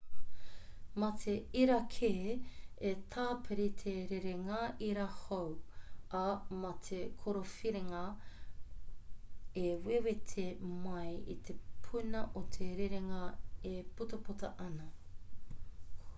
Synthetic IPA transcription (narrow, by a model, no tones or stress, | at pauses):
mɐt̪ʰeiɾɐkʰe | et̪ʰaːpʰeɾit̪ʰeɾeɾeŋɐiɾahowɐmɐtʰekʰoɾofiɾeŋɐ | ewewetʰemɐjḭt̪ʰepʰunɐʔot̪ʰeɾeɾeŋɐeputɐpotɐʔɐnɐ